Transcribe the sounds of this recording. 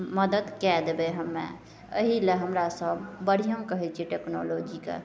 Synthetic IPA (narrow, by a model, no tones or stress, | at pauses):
məd̪əd̪kɛd̪ebeɦəmːḛ | ə̰ɦileɦəmɾasəbːəɽ̤ijəmkəɦɛt͡ʃʰiʈekno̰lod͡ʒikḛ